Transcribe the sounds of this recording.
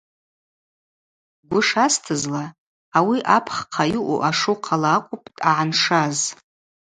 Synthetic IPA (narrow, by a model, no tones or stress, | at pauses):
ɡʷʊʂastʰɨzla | awiʔapʰχqʰajɪʔṵʔaʂuqʰalaːqʷʼʊpʼtʼaʕanʂaz